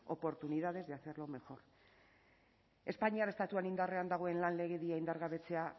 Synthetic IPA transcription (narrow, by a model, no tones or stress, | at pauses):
o̞̰po̞ɾt̪unið̞að̞e̞zðeaθe̞ɾlo̞me̞xo̞ɾ | e̞spaɲiaɾest̪at̪uanind̪are̞and̪aɣ̞o̞e̞nlanle̞ɣeðiaind̪aɾɣaβe̞t͡se̞a